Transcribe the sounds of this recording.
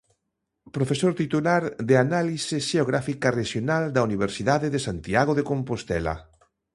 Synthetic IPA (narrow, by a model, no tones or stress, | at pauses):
pɾofesoɾt̪it̪ulaɾðeanalisɪʃeoɣ̞ɾafikareʃjonald̪auniβ̞eɾsiðaðeðesant̪iaɣ̞oðekompost̪ɛla̰